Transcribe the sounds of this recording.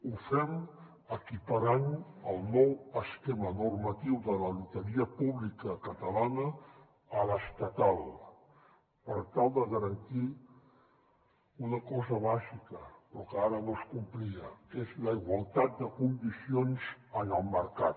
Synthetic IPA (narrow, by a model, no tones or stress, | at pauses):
ufɛm | əkipəɾanəlˠnɔwəskemənurmət̪iwðələlut̪əɾiəpuβlikəkət̪əlanəː | ləst̪ət̪alˠ | pəɾt̪alˠd̪əɣəɾənt̪i | unəkɔzəβaʒikəpɾɔkəaɾənoskumpliəezləiɣwalˠt̪at̪̚d̪əkund̪isionzənəlˠməɾkat̪